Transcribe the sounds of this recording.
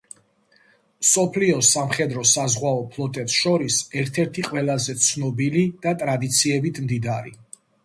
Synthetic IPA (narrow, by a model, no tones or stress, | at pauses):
sɔpʰliɔsamχɛd̪ɾɔsazʁwaɔpʰlˠɔt̪ʼɛpsʃɔɾisɛɾt̪ʰɛɾt̪ʰiqʼwɛlˠazɛt̪sʰnɔbilid̪̥at̪ʼɾad̪it̪sʰiɛbit̪ʰmd̪id̪aɾḭ